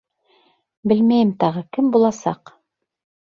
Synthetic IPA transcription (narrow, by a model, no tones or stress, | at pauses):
bɘlmæjɘmt̪ɑʁɤkɘmbulˠɑsɑ̰q